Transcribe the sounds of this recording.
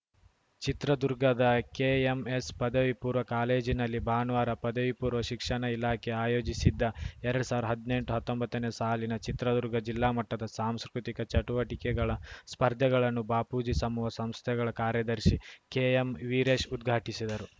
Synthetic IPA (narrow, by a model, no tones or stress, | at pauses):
t͡ʃit̪ɾɐd̪uɾɡɐd̪ɐkeːemespɐd̪ɐʋipuːɾʋɐkaːle̞ːd͡ʒinɐlːibʱaːnʋaːɾɐpɐd̪ɐʋipuːɾʋɐʃikʂɐɳɐilaːkʰeaːjo̞ːd͡ʒisid̪ːɐɛɾɐɽusaːʋɾd̪ɐɦɐd̪ine̞ɳʈuɦɐt̪ːombɐt̪ːɐnesaːlinɐt͡ʃit̪ɾɐd̪uɾɡɐd͡ʒilːaːmɐʈːɐd̪ɐsaːmskɾut̪ikɐt͡ʃɐʈuʋɐʈikɛɡɐɭɐspɐɾd̪ʱjɐɡɐɭɐnːubaːpuːd͡ʒisɐmuʋɐsɐmst̪ʰɛɡɐɭɐkaːɾjɐd̪ɐɾʃikeːemʋiːɾeːʂud̪̚ɡʱaːʈisid̪ɐɾu